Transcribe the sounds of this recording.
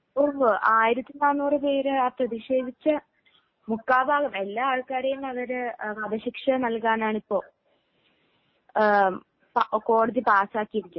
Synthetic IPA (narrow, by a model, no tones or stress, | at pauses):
pːoːmaːjiɾɐt̪ːinaːnːuːrɨpe̞ːɾɨaːprɐðiʂe̞ːd̪ʱit͡ɕːɨ | mukːaːbʱaːɡɐmelːaːaːɭkaːɾɐjunɐʋɐɾɨʋɐd̪ɐɕikʂɐnɐlkaːnaːɳipːo̞ː | pko̞ːɽɐðipaːsaːkːijɐʋikʲːu